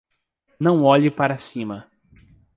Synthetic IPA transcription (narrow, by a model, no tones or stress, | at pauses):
nɐ̃w̃ɔʎɪpaɾasĩmɐ